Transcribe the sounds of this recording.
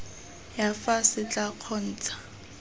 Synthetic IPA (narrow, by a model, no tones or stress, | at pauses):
jafasɪt͡ɬʼaq͡χʰɔn̩ːt͡sḁ